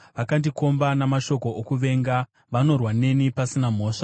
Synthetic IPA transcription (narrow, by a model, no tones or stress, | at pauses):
ʋakandiko̞mbanamaʃo̞ko̞ʔokuʋe̞ŋɡa | ʋano̞rwane̞nipasinam̤o̞ːʂḁ